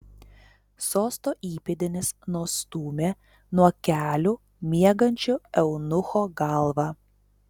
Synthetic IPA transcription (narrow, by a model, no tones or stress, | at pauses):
soːst̪oːʔiːpʲed̪ʲɪnʲɪsnuɔst̪uːmʲeː | nuɔkʲæːlʲʊ | mʲiɛɡɐnʲt͡ʃʲʊɛʊnʊxoːɡɐlˠʋɑː